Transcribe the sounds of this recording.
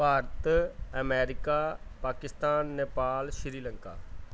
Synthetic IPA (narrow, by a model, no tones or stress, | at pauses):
baːɾt̪əmɛːɾɪkaːpaːkɪst̪aːnːeːpaːlʃɪɾiːləŋka̰ː